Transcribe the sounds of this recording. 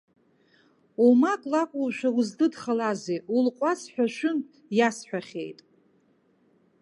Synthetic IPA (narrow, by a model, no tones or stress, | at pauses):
umakʼlakʷʼulʃʷᶣawʊzdɨdχalazeulqʷʼasħᶣʷaʃʷᶣʊmpʼ | jasħʷᶣaχʲḛjtʼ